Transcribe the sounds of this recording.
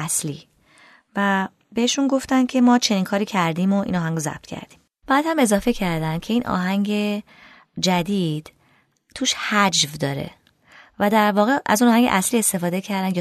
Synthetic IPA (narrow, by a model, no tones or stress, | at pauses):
æslḭː | væ | be̞heʃunɡo̞ft̪ænd̪̥̚cʲʰe̞mɒːt͡ʃʰe̞niːŋkʰɒːɾiːcʰæɾd̪iːmo̞ʔḭnɒːɦæŋɡɾozæ̰b̥̚t̪ʰcʰæ̰ɾd̪̥iːm | b̥æːd̪hæme̞zɒːfe̞cʰæɾd̪ænd̪̥̚cʰe̞iːnʔɒ̰ːɦæŋɟe̞ | d͡ʒæd̪iːd̪̥ | t̪ʰuːʃhæd͡ʒvd̪ɒːɾḛ | væd̪æɾvɒːɣe̞ʔæ̰zunɒːhæŋɡɟe̞̰ʔæsliːe̞st̪e̞fɒːd̪e̞cʰæɾd̪ænjɒ